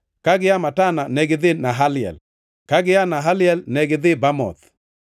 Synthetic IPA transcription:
kaɡɪjamatananɛɡɪðɪnaɦalɪɛ̰l | kaɡɪjanaɦalɪɛlnɛɡɪðɪbamɔ̰t̪

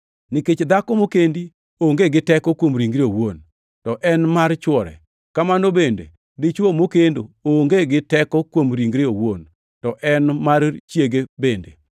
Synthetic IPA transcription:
nɪket͡ʃd̪akɔmokendi | oŋɡeɡɪtɛkɔkwomɾiŋɡɾeowon | tɔʔɛnmart͡ʃwɔɾɛ̰ | kamanobendḛ | dɪt͡ʃwomokendooŋɡeɡɪtɛkɔkwomɾiŋɡɾeowon | tɔʔɛnmart͡ʃjeɡebendḛ

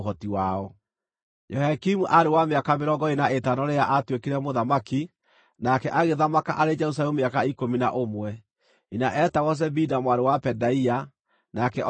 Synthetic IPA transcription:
ɦɔtiwaɔ | jɔhakimuʔaɾewameakameɾɔŋɡɔinaetanɔɾejaʔatwekeɾɛmoðamaki | nakɛʔaɣeðamakaʔaɾed͡ʒɛɾus̬alɛmumeakaikomina̰ʔomwɛ | inaʔɛtaɣɔs̬ɛbidamwaɾewapɛdaia | nakɛɔ

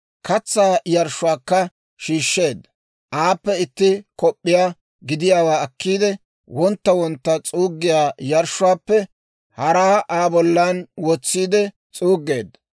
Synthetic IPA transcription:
kɐt͡sːaːjɐɾʃʊwaːkːɐ | ʃiːʃːe̞ːd̪ːɐ | ʔaːpːɛɪt̪ːɪkɔpʼːɪjaː | ɡɪd̪ɪjaːwaːɐkːiːd̪ɛ | wɔnt̪ːɐwɔnt̪ːɐt͡sʼuːɡːɪjaːjɐɾʃʊwaːpːɛ | hɐɾaːʔaːbɔlːanwɔt͡sːiːd̪ɛ | t͡sʼuːɡːe̞ːd̪ːɐ

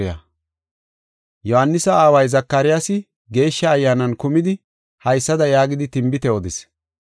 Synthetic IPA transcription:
ɪjɐ̰ | jɔhɐnːɪsɐaːwɐjzɐkːɐɾɪjasɪ | ɡe̞ːʃːɐːjːaːnɐnkʊmɪd̪ɪ | hɐjsːɐd̪ɐjaːɡɪd̪ɪt̪ɪmbɪt̪ɛɔd̪ɪs

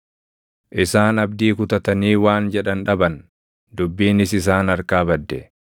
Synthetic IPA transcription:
ʔɪsaːnɐbd̪iːkʊt̪ɐt̪ɐniːwaːnd͡ʒɛᶑɐnᶑɐbɐn | d̪ʊbːiːnɪsɪs̬aːnɐɾkaːbɐd̪ːɛ

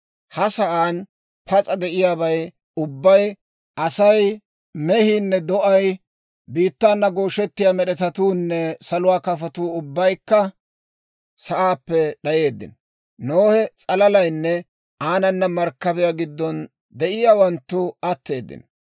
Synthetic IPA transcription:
hɐsɐʔaːn | pʰɐt͡sʼɐd̪ɛʔɪjaːbɐj | ʊbːɐj | ʔɐsɐj | mɛhiːnːɛd̪ɔʔɐj | biːt̪ːaːnːɐɡoːʃɛt̪ːɪjaːmɛɗɛt̪ɐt̪uːnːɛsɐlʊwaːkɐfɐt̪uːʊbːɐjkːɐ | sɐʔaːpːɛɗɐje̞ːd̪ːɪ̰n | noːhɛt͡sʼɐlɐlɐjnːɛ | aːnɐnːɐmɐɾkːɐbɛjaːɡɪd̪ːɔn | d̪ɛʔɪjaːwɐnt̪ːʊɐt̪ːe̞ːd̪ːɪ̰n

